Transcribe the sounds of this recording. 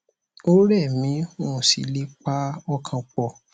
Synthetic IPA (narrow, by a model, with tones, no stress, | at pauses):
o˦ɾɛ˦˨mĩ˨˦õ˦˨sḭ˨˦le˦k͡pa˦ɔ˦kʰã˧k͡pɔ˨